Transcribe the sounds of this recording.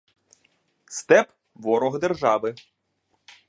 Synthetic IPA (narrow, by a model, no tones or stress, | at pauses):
st̪ɛp | ʋɔɾɔɣd̪erʒɑʋɪ